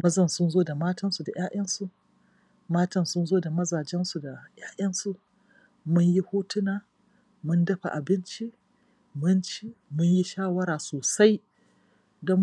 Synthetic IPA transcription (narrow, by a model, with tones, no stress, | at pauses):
mɐ˦zɐ˨nsʊ˦nzoː˦da˨maː˦tɐ˦nsu˨da˨j̰aː˦ʔɐ˦nsu˨ʔ | maː˦tɐ˨nsʊ˦nzoː˦da˨mɐ˦zaː˨d͡ʒɛ˦nsu˨da˨j̰aː˦jɐ˦nsu˦ʔ | mʊ˦ɲji˦huː˦tʊ˦naː˨ | mʊ˦ndɐ˦ɸa̰˨ʔa˨bɪ˦nt͡ʃi˦ | mʊ˦nt͡ʃi˦mʊ˦ɲji˦ʃaː˦wɐ˦ɾaː˨soː˨sa˦j | dɔ˦m